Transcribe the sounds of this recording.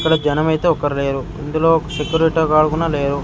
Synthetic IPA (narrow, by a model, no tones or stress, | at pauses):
kːɐɽɐd͡ʒɐnɐmɐjt̪eɔkːɐɾileːɾu | ind̪uloːsekjuɾiʈɐɡaːɭuɡunɐleːɾu